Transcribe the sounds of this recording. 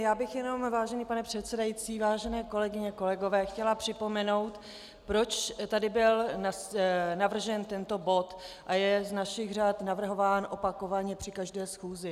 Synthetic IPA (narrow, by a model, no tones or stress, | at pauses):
jaːbɪxjɛno̞mvaːʒɛniːpanɛpr̝̥ɛt̪sɛdajit͡siːvaːʒɛnɛːko̞lɛɡɪɲɛko̞lɛɡo̞vɛːxcɛlapr̥ɪpo̞mɛno̞wt̪ | pɾo̞t͡ʃt̪adɪbɪlnasnavr̩ʒɛnt̪ɛnt̪o̞bo̞t̪ʔajɛznaʃɪɣr̝aːt̪navr̩ɦo̞vaːnʔo̞pakovaɲɛpr̝̥ɪkaʒdɛːsxuːzɪ